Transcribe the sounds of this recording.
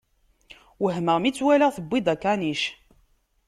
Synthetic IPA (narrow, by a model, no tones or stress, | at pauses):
wəɦməʁmit͡sːwæləʁθəbːid̪ˤækːaniʃ